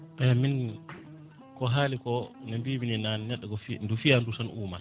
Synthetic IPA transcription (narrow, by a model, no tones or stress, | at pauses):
ʔɛmin | kɔɦaːlikɔnɛmbiːbininannɛɗːɛkɔfndufijandusanuːma